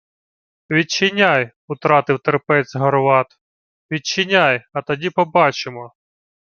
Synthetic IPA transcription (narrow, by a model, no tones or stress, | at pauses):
ʋʲit͡ʃːɪnʲaj | ʊt̪ɾɑt̪ɪwt̪erpɛzʲɦɔrʋɑt̪ | ʋʲit͡ʃːɪnʲajɐt̪ɐdʲipɔbɑt͡ʃɪmɔ